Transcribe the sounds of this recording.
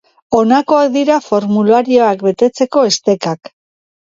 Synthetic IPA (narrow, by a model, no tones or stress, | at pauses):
o̞nako̞ak̚d̪iɾafo̞ɾmulaɾio̞akbe̞t̪e̞t͡se̞ko̞e̞st̪e̞kak